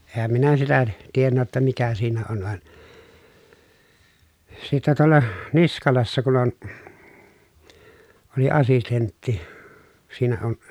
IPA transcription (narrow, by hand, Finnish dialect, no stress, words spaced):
eːhæm minæ sitæ tienːæ jotːɑ mikæ siːnæ on ʋɑn sitːæ tuolːɑ niskɑlɑsːɑ kun on oli ɑsistentːi siːnæ on